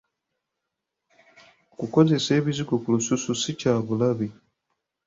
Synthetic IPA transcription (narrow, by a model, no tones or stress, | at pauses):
okuko̞ze̞se̞ːβiziɡokulusususicaːβulaβi